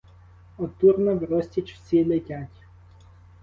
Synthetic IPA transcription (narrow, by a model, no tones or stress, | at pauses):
ɔt̪urnɔʋɾɔsʲtʲit͡ʃwsʲilˠetʲatʲ